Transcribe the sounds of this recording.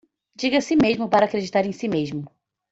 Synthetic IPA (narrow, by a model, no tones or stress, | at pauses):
d͡ʒiɡɐsimezmʊpaɾɐaːkɾed͡ʒit̪aɾẽj̃simeʒmʊ